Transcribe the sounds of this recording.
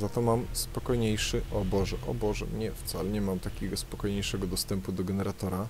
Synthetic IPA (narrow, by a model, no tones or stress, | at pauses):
zat̪ɔmamspɔkɔjɲejʂɘʔɔbɔʐɛʔɔ̰bɔʐɛmɲɛft̪salɛɲɛmamt̪akʲɛɡɔspɔkɔjɲejʂɛɡɔd̪ɔst̪ɛmpud̪ɔɡɛnɛɾat̪ɔɾa